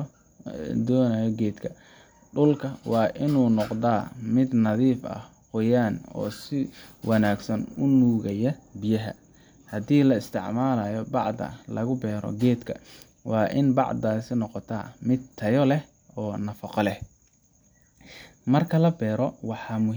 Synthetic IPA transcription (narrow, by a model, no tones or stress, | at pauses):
d̪ɔːnajɔɡɛːd̪kʰɐ | ɖʊlkʰɐwɑːʔɪnuːnɔqd̪aːmɪd̪nɐðiːfɐ̰h | hɔjaːnɔ̰ːsɪwʔɑnaːɡsɐnʊnuːɣɐjɐbɪjɐɦɐ̰ | hɐd̪iːlɐɪst̪ʰɪʕmaːlɐjɔbɑʕd̪ɐ̰lɐɣʊbɛːɾɔ̰ɡɛːd̪kʰɐ̰ | wɑːʔɪnbɑʕd̪aːsɪnɔqɔt̪ʰa̰ːmɪd̪t̪ʰɐjɔlɛh | ɔːnɐfɑqɔlɛh | mɐrkʰɐlɐbɛːɾɔwɑħɑːmʊ